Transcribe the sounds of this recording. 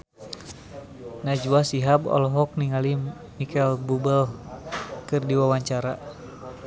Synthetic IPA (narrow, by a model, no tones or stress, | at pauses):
nad͡ʒwasiɦabɔ̰lɔɦɔk̚niŋali | mikɛlbubəl | kɨrdiwawaɲt͡ʃaɾa